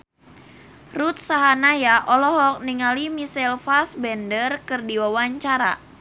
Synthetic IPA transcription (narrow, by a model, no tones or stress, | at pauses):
rut̪̚saɦanajaʔɔlɔɦɔk̚niŋalimisɛlfasbɛndərkɨrdiwawaɲt͡ʃaɾa̰